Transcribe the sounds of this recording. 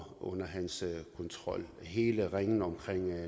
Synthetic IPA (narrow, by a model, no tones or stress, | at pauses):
ɔ̽n̰ɐɦænskʰɔ̽nt͡sʰʁɒ̽l̰ɦe̝ːləʁeŋn̩ɒ̽mkʰʁeŋ̰